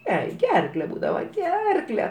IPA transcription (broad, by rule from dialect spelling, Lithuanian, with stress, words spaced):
ˈjɛɪ ˈɡʲɛrklʲɛ ˈbuːdɐʋɐ ˈɡʲɛrklʲɛ